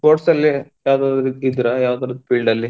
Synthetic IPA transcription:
koːʈsɐlːijaːʋd̪aːd̪ɾid̪ɾɐjaːʋd̪aːɾd̪upiːɭɖɐlːi

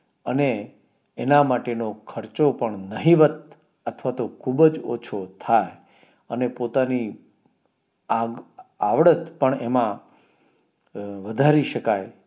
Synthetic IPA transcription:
əneː | namaʈenokʰəɾt͡ʃopəɳnəɦiʋət̪̚ | ət̪ʰʋat̪okʰubəd͡ʒo̰t͡ʃʰot̪ʰaj | ənepot̪ani | aɡaʋɽət̪pəɳemã | ʋəd̪ʱaɾiʃəkaj

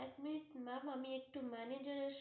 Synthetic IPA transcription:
ɛkminit̪mamamiek̚ʈumɛned͡ʑaɾeʃ

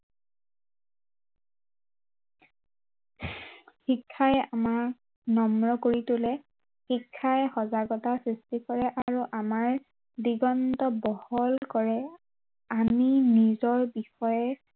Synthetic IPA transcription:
xikʰːajamak | nɔmɹɔkoɹitʊlɛ | xikʰːajxɔzaɡɔtasɹistikɔɹɛʔaɹuʔamaɹ | diɡɔntɔbɔhɔlkɔɹɛ | aminizɔɹbixɔjɛ

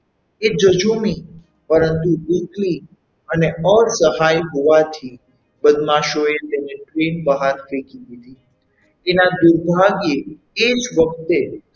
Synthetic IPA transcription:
ed͡ʒəd͡ʒumi | pəɾənt̪ulikli | əneəɾsəɦajɦoʋat̪ʰi | bəd̪maʃoet̪eneʈɾenbəɦaɾfekid̪id̪i | enad̪uɾbʱaɡeː | d͡ʒʋək̚t̪e

